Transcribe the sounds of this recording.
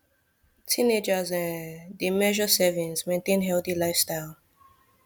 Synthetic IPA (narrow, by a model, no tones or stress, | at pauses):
tʰĩned͡ʒəzɛ̃ndimɛʒəsɛvĩŋzmẽntẽnɦɛlθilaɪfstaɪlˠ